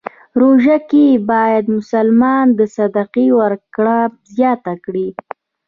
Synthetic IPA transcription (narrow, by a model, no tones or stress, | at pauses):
ɾoʒakebɑjad̪mʊsalmɑnd̪əsad̪aqiwaɾkɽazjɑt̪akɽi